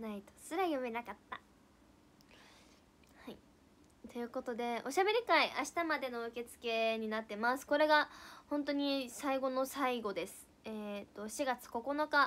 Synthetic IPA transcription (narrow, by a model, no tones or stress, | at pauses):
nait̪o̥sɨɾajɯme̞nakat̪ːa | hai | t̪o̞jɯ̟ːko̞t̪o̞d̪e̞o̞ɕabe̞ɾʲikaiʔaɕi̥t̪amad̪e̞no̞ɯ̟ke̞t͡sɨ̥ke̞ɲ̟inat̪ːe̞masɨ̥ko̞ɾe̞ɡahõ̞nt̪o̞ɲ̟isaiɡo̞no̞saiɡo̞d̪e̞sɨ̥ | eːt̪ːo̞ɕiɡat͡sɨ̥ko̞ko̞no̞ka